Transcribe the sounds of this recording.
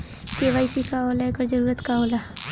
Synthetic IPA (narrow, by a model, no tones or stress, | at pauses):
keːʋaːisikaoːlaekəɾd͡ʒɐɾuːɾət̪kaoːla